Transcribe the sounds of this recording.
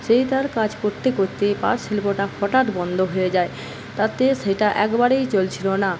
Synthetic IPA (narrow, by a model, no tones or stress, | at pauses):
ʃejt̪aɾkad͡ʑkoɾt̪ekoɾt̪epa̰ɾʃilpoʈafɔʈaʈbɔnd̪ʱoɦoed͡ʑae | t̪at̪eʃeʈaʔɛkbaɾejt͡ɕolt͡ɕʰilona